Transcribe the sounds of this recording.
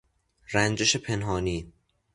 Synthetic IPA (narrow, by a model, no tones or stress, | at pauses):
rænd͡ʒeʃepʰenɦɒːniː